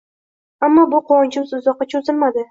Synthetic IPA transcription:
amːɒbʊqʰoɒnt͡ʃʰɪmsʊzɒqːɑt͡ʃʰozɪlmad̪ɪ

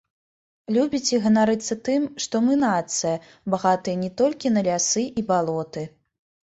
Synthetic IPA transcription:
lʲubʲit͡sʲɛɣɐnaɾɨt̪sːɐt̪ɨmʂt̪ɔmɨnat̪sɨjɐ | baɣat̪ɨjɐnʲɛt̪ɔlʲkʲinɐlʲasɨʔibalˠɔt̪ɨ

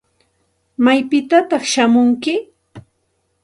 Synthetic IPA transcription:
majpɪt̪at̪ɑχʃamʊŋkɪ

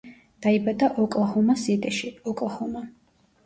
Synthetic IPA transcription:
d̪̥aibad̪aʔɔkʼlˠhɔmasit̪ʼɛʃiɔkʼlˠhɔma

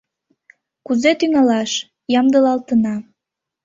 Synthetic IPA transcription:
kuzet̪yŋɑlɑʃ | jɑmd̪əlɑlt̪ənɑ

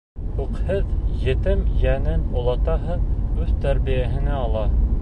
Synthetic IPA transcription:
huqhɤðjɘ̆t̪ɘmjænɘnŏlˠɑt̪ɑɦɤðʉðt̪æɾβijæɦɘ̆næɑlˠɑ

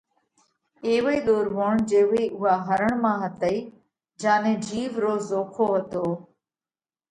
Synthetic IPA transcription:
eːʋiːɗ̪oːɾʋoːɳd͡ʒeːʋeːʔʊɦaːɦəɾəɳ̃mãːɦət̪əiː | d͡ʒaːnẽːd͡ʒiːʋɾoːzoːkʰoːɦət̪oː

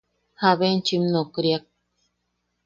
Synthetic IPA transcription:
haβent͡ʃimnokɾjak̚

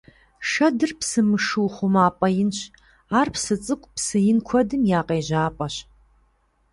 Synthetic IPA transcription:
ʂɐdɨrpsɨmɨʂuːχʷʊmaːpʼɐjɪnɕ | aːrpsɨt͡sʼɨkʷʼpsɨjɪnkʷʰɔdɨmjaːqʼeːʑaːpʼɐɕ

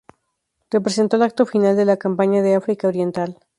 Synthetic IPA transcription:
repɾe̞se̞nt̪olak̚t̪o̞finald̪e̞lakampaɲaðeafɾikaoɾje̞nt̪al

